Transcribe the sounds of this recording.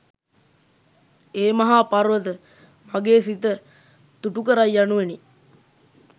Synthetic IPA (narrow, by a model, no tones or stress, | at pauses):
eːmaɦaːparʋət̪ə | maɡeːsit̪ə | t̪uʈukəɾajːanuʋeni